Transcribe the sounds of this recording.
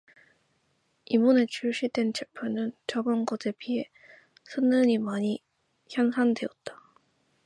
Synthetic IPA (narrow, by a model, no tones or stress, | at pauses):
imune̞t͡ɕʰuɭɕ͈idwe̞nt͡ɕepʰonɯnt͡ɕʌbʌnɡose̞pie | sʰɯnːɯɲimaɲi | çjʌnsʰandwe̞ʌt̚t͈ḁ